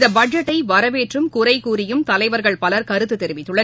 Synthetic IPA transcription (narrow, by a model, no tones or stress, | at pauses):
ðɐbɐd͡ʒɐʈːɐɪʋɐɾɐʋeːʈrɯmkʊrɐɪkuːɾɪjɯmt̪ɐlɐɪʋɐɾɣɐɭpɐlɐɾkɐɾɯt̪ːɯt̪ːɛɾɪʋɪt̪ːɯɭːɐ